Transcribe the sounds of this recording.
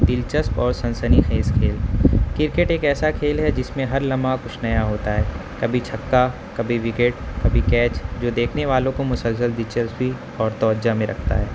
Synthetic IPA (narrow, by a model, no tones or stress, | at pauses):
d̪ɪlt͡ʃəspɔːɾsɐ̃nsənixeːskʰeːlkɪɾkeʈeːkɛːsakʰeːlɦɛd͡ʒɪsmẽɦɐɾlɐmakʊt͡ʃʰnɐjaɦoːt̪aɦɛːkɐbʱit͡ʃʰɐkːa | kɐbʱiʋɪkeːʈ̚kɐbʱikɛːt͡ʃd͡ʒoːd̪eːkʰneʋaːlõkomʊsəlsəld̪ɪt͡ʃəlswi | ɔːɾt̪ɔːd͡ʒd͡ʒamẽɾʔɐ̰kʰt̪a̰ɦɛː